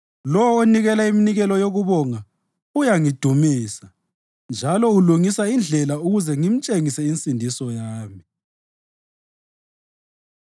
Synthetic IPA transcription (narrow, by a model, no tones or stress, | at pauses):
lɔwɔoniɣɛlaiminiɣɛlɔjoɣuβɔŋa | ujaŋid̥ʱumiːsa | nd͡ʒʱalɔuluŋisaind͡ɮʱɛlauɣuzɛŋim̩t͡ʃʼeŋisɛint͡sʼindʱisɔjaːmi